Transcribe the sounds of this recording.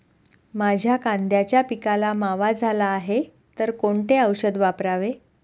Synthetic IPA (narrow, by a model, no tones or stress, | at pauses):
mad͡ʑʱjakand̪jat͡ɕjapikalamaʋad͡zʱalaːɦe | t̪əɾkoɳʈeəwɕəd̪ʋapɾaʋe